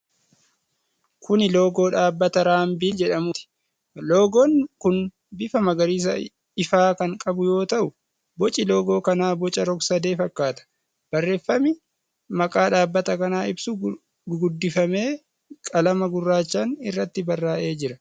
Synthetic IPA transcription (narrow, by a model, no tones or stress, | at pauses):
kʊnɪloːɡo̞ːᶑaːbːɐt̪ɐɾaːmbiːd͡ʒɛᶑɐmʊt̪ɪ̥ | loːɡɔnkʊn | bɪfɐmɐɡɐɾiːs̬ɐ | ɪfaːkɐŋkʼɐbʊjo̞ːt̪ɐʔʊ | bɔt͡ʃʼɪlo̞ːɡo̞ːkɐnaːbɔt͡ʃʼɐɾɔɡsɐd̪e̞ːfɐkːaːt̪ɐ̥ | b̥ɐrːe̞ːfːɐmɪ | mɐkʼaːᶑaːbːɐt̪ɐkɐnaːɪbsʊ | ɡʊd̪ːɪfɐme̞ː | kʼɐlɐmɐɡʊrːaːt͡ʃːaːnɪrːɐt̪ːɪbɐrːaːʔe̞ːd͡ʒɪɾɐ